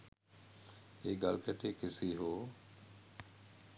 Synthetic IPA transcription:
eːɡaːlkəʈeːkɪsiːɦoː

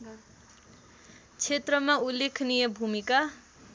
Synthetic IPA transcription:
t͡sʰet̪rʌmaulːekʰnijebʱumika

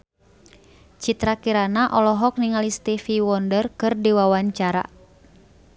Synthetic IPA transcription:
t͡ʃit̪ɾakiɾanaʔɔlɔɦɔk̚niŋalist̪ifiwɔndərkɨrdiwawaɲt͡ʃaɾa̰

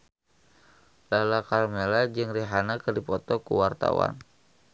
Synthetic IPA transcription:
lalakalmelad͡ʒɨŋriɦanakɨrdipɔt̪ɔkṵwart̪a̰wa̰n

